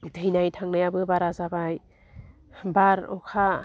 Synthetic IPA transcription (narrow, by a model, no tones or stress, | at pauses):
dejnajtʰaŋnajabɯbaɾazabaj | baɾɔ̰kʰa